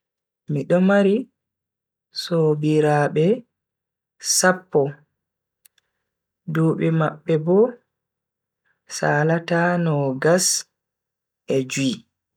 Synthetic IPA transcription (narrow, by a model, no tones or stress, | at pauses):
miɗɔmaɾi | soːbiɾaːɓɛ | sapːɔ | duːɓɛmaɓːɛbɔ | saːlataːnɔɡas | ʔɛd͡ʒui